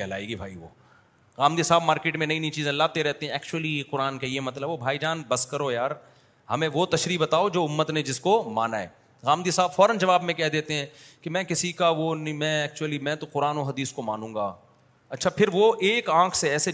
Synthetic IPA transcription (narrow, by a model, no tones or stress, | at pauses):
ɛɦlaːeɡibʱaːiʋo̰ː | ɣaːmd̪isaːbmaːɾkeːʈmẽnɐĩnɐĩt͡ʃiːzẽlːaːt̪eɾɛɦt̪eɦɛ̃ɛːk̚t͡ʃʊəliqʊɾaːnkeiemɐt̪ləbʋobʱaːid͡ʒaːnbɐskɐɾojaːɾ | hɐmẽʋot̪ɐʃɾiːbɐt̪aːod͡ʒoːʊmːət̪ned͡ʒɪskoma̰ːnaɦɛ̰ː | ɣaːmd̪isaːbfɔːɾənd͡ʒɐʋaːbmẽkɛɦd̪eːt̪eɦɛ̃ː | kimɛ̃ːkɪsikaʋonĩmɛ̃ɛːk̚t͡ʃuəlimɛ̃ːt̪oqʊɾaːnoɦɐd̪iːskomaːnũːŋɡaː | ɐtːʃʰapʰɪɾʋoʔeːkãːkʰseɛːse